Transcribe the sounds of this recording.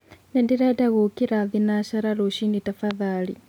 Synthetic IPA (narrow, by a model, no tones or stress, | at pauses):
nɛndiɾɛdaɣukiɾaðinaʃaɾaɾoʃinditafaðaːli